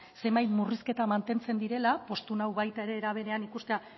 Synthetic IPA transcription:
se̞mbajt̪muriske̞t̪amant̪e̞nt͡se̞nd̪iɾe̞lapo̞st̪unawβajt̪ae̞ɾe̞ːɾaβ̞e̞ɾe̞anikust̪ea

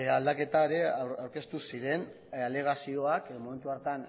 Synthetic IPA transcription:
ald̪ake̞t̪aeɾe̞awɾke̞st̪usiɾe̞n | ale̞ɣ̞asio̞akmo̞me̞nt̪uaɾt̪an

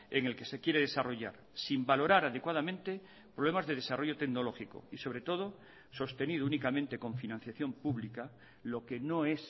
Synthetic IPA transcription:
eŋe̞lke̞se̞kjeɾeð̞e̞saro̞ʝa̰ɾ | simbalo̞ɾaɾaðekwaðamẽnt̪e̞ | pɾoβle̞mazðe̞ðe̞saro̞ʝo̞t̪e̞kno̞lo̞xiko̞̰iso̞βɾe̞t̪o̞ðo̞ | so̞st̪e̞niðounikamẽnt̪e̞ko̞ɱfinãn̟θjaθjo̞mpuβlika | lo̞keno̞e̞s

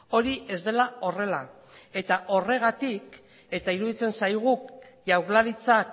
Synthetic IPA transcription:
o̞ɾiʔe̞zd̪e̞lao̞re̞la | e̞t̪aʔo̞re̞ɣ̞at̪ik | e̞t̪aiɾuðit͡se̞nsajɣ̞uʝawɾlaɾit͡sak

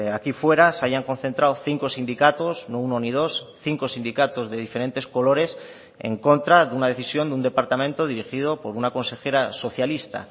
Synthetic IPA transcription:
akifwe̞ɾasaʝaŋkõ̞n̟θe̞nt̪ɾawθiŋko̞sind̪ikat̪o̞snouno̞nið̞o̞sθiŋko̞sind̪ikat̪o̞zðe̞ðife̞ɾẽ̞nt̪e̞sko̞lo̞ɾe̞s | e̞̰ŋko̞nt̪ɾaðeunað̞e̞θisjo̞nd̪und̪e̞paɾt̪amẽnt̪o̞ðiɾixið̞o̞po̞ɾunako̞nse̞xe̞ɾaso̞θjalist̪a̰

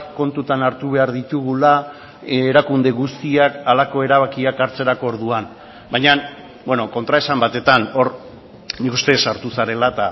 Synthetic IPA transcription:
ko̞nt̪ut̪anaɾt̪uβ̞e̞aɾðit̪uɣula | eɾakund̪e̞ɣust̪iakalako̞e̞ɾaβakiakaɾt͡se̞ɾako̞ːɾðuan | bajɲan | bwe̞noko̞nt̪ɾae̞sambat̪e̞t̪ano̞ɾ | nikust̪e̞saɾt̪usaɾe̞lat̪a

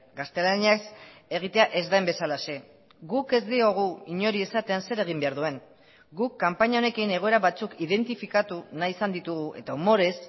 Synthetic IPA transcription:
ɡast̪e̞laniase̞ɣ̞it̪e̞aʔe̞zd̪ajmbe̞salase̞ | ɡuke̞zd̪io̞ɣ̞uiɲo̞ɾie̞sat̪e̞anse̞ɾe̞ɣ̞imbe̞aɾðue̞ŋ | ɡukːampaɲao̞ne̞kine̞ɣ̞o̞e̞ɾaβat͡sukiðe̞nt̪ifikat̪unaiisand̪it̪uɣ̞uʔe̞̰t̪aumo̞ɾe̞s

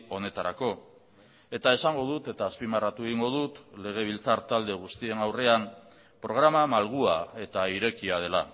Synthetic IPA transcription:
o̞ne̞t̪aɾako̞ | e̞t̪ae̞saŋɡo̞ð̞ut̪e̞t̪aːspimarat̪ueɣiŋɡo̞ðut̪le̞ɣ̞e̞β̞ilt͡saɾt̪ald̪e̞ɣ̞ust̪ie̞nawre̞am | pɾo̞ɣ̞ɾamamalɣ̞uae̞t̪aiɾe̞kiað̞e̞la

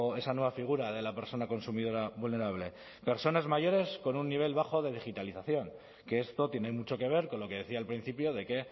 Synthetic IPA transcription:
e̞sanwe̞βafiɣ̞uɾaðe̞lape̞ɾso̞nako̞nsumiðo̞ɾaβulne̞ɾaβ̞le̞ | pe̞ɾso̞nazmaʝo̞ɾe̞sko̞nunːiβ̞e̞lβ̞axo̞ðe̞ð̞ixit̪aliθaθjo̞ŋ | ke̞est̪o̞t̪je̞nemut͡ʃo̞ke̞β̞e̞ɾko̞nlo̞ke̞ðe̞θiaːlpɾin̟θipjo̞ðe̞ke̞

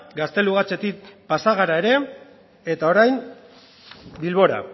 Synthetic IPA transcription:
ɡast̪e̞luɣat͡se̞t̪ik̚pasaɣ̞aɾae̞ɾe̞ | et̪ao̞ɾajm | bilβo̞ɾa̰

